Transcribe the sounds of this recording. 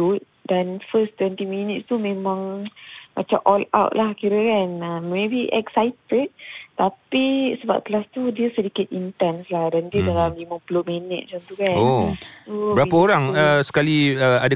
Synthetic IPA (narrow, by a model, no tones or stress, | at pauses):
ut̪̚danfəst̪wɛnt̪iminit̪̚st̪umẽmãŋma̰t͡ʃamʔɔla̰wt̪̚lahkiɾəkanəmebiʔɛksajt̪əd̚t̪apisəba̰p̚t̪əlast̪udiəsədikɪt̪̚int̪anslahdandiədalamlimə̃pəloʔmenɛʔ̚mat͡ʃamt̪ukannosubɾapaoɾaŋəsə̥kaliəada